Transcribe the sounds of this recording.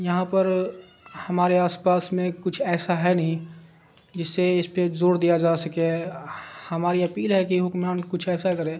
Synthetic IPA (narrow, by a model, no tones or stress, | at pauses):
jɐɦãpəɾ | hɐmaːɾeaːspaːsmẽkʊt͡ʃʰɛːsaɦɛnɐɦĩ | d͡ʒɪsːeɪspezoːɾd̪ijad͡ʒaːsəkẽ | hɐmaːɾiɐpiːlɦɛkiɦʊkmaːnkʊt͡ʃʰɛːsakɐɾẽː